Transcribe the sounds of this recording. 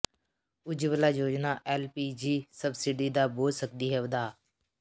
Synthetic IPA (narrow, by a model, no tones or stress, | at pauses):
ʊd͡ʒʋəlaːjoːd͡ʒnaːʔɛːlpiːd͡ʒiːsəbsɪɖiːd̪aːboːlsək̚d̪iːɦɛʋd̪aː